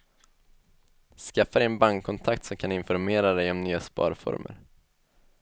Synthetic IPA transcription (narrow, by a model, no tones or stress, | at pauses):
skafːad̪ɛjɛnbaŋkʰːɔnt̪ʰakt̪sɔmkʰanɪnfɔɾmeːɾad̪ɛjɔmnyːaspɑ̰ːɾfɔ̰ɾmə̰ɾ